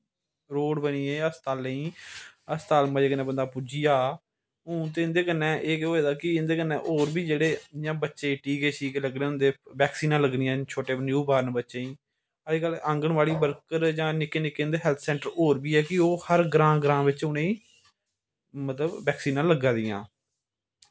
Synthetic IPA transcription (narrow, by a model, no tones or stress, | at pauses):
ɾoːɽbəniːeːəst̪aːlẽiːəst̪aːlmãd͡ʒeːkənẽːbənd̪aːpud͡ʒijaː | ʊ̃ːt̪̬eːɪ̃nd̪eːkənːɛ̃ːʔeːkoːeːd̪aːkɪɪnd̪eːkənːɛ̃ːʔoːɾbiːd͡ʒeːɽeːjãːbətːʃeːʈiːkeːt͡ʃʰiːkːləɡnẽːʊ̃nd̪eːʋɛːksiːnãːləɡnɪjãːt͡ʃʰoːʈeːnjuːbaːɾnbətːʃẽːĩː | əiːkələŋɡəɳʋaːliːbəɾkəɾd͡ʒãːnɪkːeːnɪkːeːnd̪eːɦɛːlt̪ʰsɛ̃ːɳʈəɾoːɾbiːɛːkɪoːhəɾɡɾãːɡɾãːʋɪt͡ʃʊnẽĩː | mət̪ləbːɛːksiːnãːləɡãːd̪ɪjã̰ː